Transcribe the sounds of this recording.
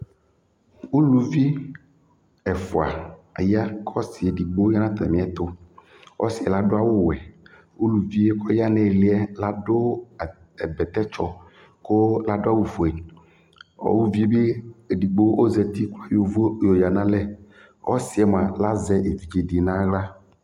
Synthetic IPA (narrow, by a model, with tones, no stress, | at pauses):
wu˦lu˨vi˦ | ɛ˨fo˨a̰˨a˨ja˦kʰɔ˦si˨e˨di˨ɡ͡bo˦ja˦nã˦t̪ɛ̰˨mĩ˦ɛ˦t̪o˦ | ʔɔ̰˦si˨ɛ˨la˦ɖo˦a˦wo˦wɛ˨ | wu˦lu˨vi˦e˦kɔ˦ja˦nɛ̃˨li˦ɛ˦la˦ɖo˦˨ | ɛ˨bɛ˨t̪ɛ˦t͡ʃɔ˦ | ko˦la˦ɖo˦a˦wu˨fo˨ɛ˨ | ɔ̰˦wu˦vi˦e˦be˦e˨ɖi˨ɡ͡bo˦ʔo˦zɛ˨t̪i˦klo˦a˦˨jo˨vjo˨ja˨nã˦lɛ˦ | ɔ̰˦si˨ɛ˨m˨ã˨la˦zɛ˦ʔe˨vi˨d͡ʒe˨di˨nã˦ɣla˦